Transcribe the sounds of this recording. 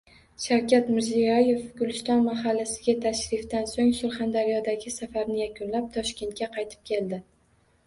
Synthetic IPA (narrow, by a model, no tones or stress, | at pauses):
ʃawkʲat̪mɪɾzijɒje̞fɡʊlɪst̪ɒnmaɦalːasɪɡʲat̪ʰaʃɾɪft̪ansoŋsʊɾχand̪aɾijɒd̪aɡʲɪsafaɾnɪjakʲʊnlap̚t̪ʰɒʃkʲe̞nt̪̚kʲaqʰɑjt̪ʰɪ̥p̚kʲʰe̞ld̪ɪ